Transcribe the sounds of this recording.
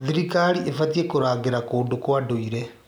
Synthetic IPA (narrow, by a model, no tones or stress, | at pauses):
ðiɾikaɾiefatiekoɾaːɡeɾakoːndokwadoiɾɛ